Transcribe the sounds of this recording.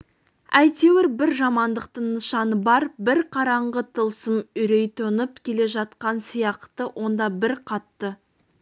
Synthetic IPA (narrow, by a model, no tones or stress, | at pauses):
æjt̪e̞wɪɾbɪɾʒɑmɑnd̪əq̚t̪əɴnːəʃɑnəbɑɾbɪɾqʰɑɾɑɴʁət̪ʰəlˠsəmʏɾe̞jt̪ʰonəpkʲʰe̞le̞ʒɑt̪̚qɑnsijɑqt̪əwʔo̞nd̪ɑbɪɾqʰɑt̪ːə